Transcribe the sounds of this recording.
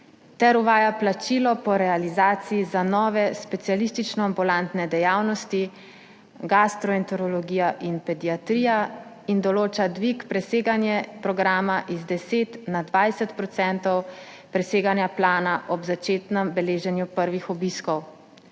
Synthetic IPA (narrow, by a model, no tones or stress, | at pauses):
t̪ɛɾuʋaːjaplat͡ʃilɔpɔɾɛalizaːt̪sijizanɔːʋɛspɛt̪sijalist̪it͡ʃnɔambulant̪nɛd̪ɛjaːwnɔst̪i | ɡast̪ɾɔɛnt̪ɔɾɔlɔɡiːjaʔinpɛd̪iat̪ɾiːja | ind̪ɔloːt͡ʃad̪ʋikpɾɛseːɡanjɛpɾɔɡɾaːmaʔizd̪ɛseːt̪nad̪ʋajsɛt̪pɾɔt̪sɛnt̪ɔw | pɾɛseːɡanjaplaːnaʔɔbzat͡ʃeːt̪nɛmbɛleːʒɛnjupəɾʋixɔbiskɔw